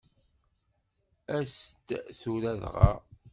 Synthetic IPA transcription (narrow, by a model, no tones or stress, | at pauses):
æst̪θuɾæðʁɑ̰